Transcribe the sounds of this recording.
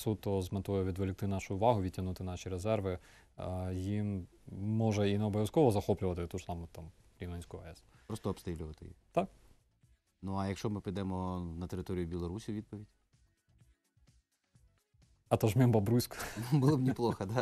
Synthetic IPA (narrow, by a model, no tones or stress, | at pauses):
sut̪ːɔzmɐt̪ɔjɛʋʲid̪ʋelʲɪkt̪ɪnɑʃʊʊʋɑɦʊʋʲitʲːɐnut̪ɪnɑʃʲiɾezɛrʋɪ | jimː | ɔʒɐineɔbɔʋʲjɐskɔʋɔzɐxɔplʲʊʋɐt̪ɪt̪uʒ̥sɑmʊt̪ɑm | ɾʲinɐnʲsʲkʊɐɛspɾɔst̪ɔɔpst̪ɾilʲʊʋɐt̪ɪ̰jḭt̪ɑk | nuɐjɐkʃt͡ʃɔmɪpɐjd̪ɛmɔnɐt̪eɾɪt̪ɔɾʲijʊbʲilˠɔɾusʲiʋʲid̪̚pɔʋʲidʲ | ɐt̪ɔʒmʲimbɐbɾusʲkbʊlˠɔbnʲiplˠɔxɐd̪ɑ